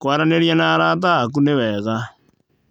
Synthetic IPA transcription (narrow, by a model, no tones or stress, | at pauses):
kwaɾaneɾjanaɾat̬aːk̬unewɛːɣa